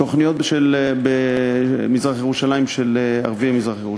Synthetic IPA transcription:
oχnijot̪̚beʃelbemizʁaχjeʁuʃalaimʃelea̰ʁviamizʁaχjeʁu

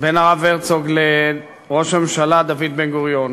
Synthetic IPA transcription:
benaʁaveʁt͡soɡle | ʁo̞ʃhamemʃalad̪avid̪̚benɡoʁjon

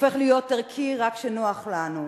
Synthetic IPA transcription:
fe̞χlijo̞t̪ːaʁkʰiʁakʃenoaχlanu

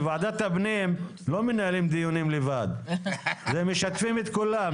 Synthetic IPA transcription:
vʕad̪at̪abnim | lomenaːlimd̪ijunimlevad̪ | zemeʃat̪fimet̪kula

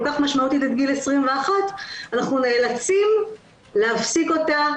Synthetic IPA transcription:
lkaχmaʃmaut̪itet̪̚ɡilesʁimveaχatanaχnune̞ːlat͡sim | leɦafsiko̞ta

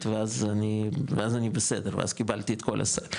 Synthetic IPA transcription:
t̪veazaniveazanibesed̪eʁvḛa̰zkibalt̪iet̪ko̞̰lʔa̰sa̰

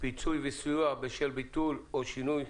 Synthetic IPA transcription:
pit͡sujvesuabeʃelbit̪uloʃinuj

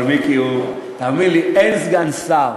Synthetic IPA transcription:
ɾmikio | t̪amĩliɛnsɡansa

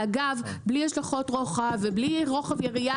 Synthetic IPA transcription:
aɡavbliaʃlaχo̞tʁoχavebliʁo̞χavjeʁia

